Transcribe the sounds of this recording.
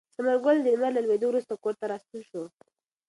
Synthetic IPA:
saməɾɡʊld̪əmalalwed̪owɾust̪okoɾt̪aɾɑst̪əlʃu

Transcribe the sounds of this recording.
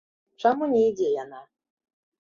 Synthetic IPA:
t͡ʂamunʲɛid͡zʲɛjana

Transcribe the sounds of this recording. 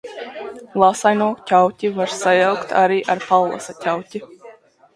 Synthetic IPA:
lˠasajnuɔcʲawtʲivaɾsajawkt̪aɾiːʔaɾpalˠlˠa̰satʲawcʲi

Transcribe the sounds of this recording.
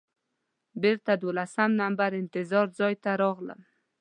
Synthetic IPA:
beɾt̪ad̪olasamnambaɾɪnt̪ɪzɑɾd͡zɑjt̪aɾɑɣlə̰m

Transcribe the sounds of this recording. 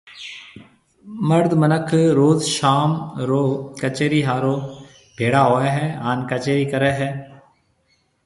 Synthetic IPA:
məɾd̪mənəkʰɾoːzʃaːmɾoːkət͡ʃeːɾiːɦaːɾoː | bʱeːɽaːɦoːeːɦɛːaːnkət͡ʃeːɾiːkəɾɛːɦɛː

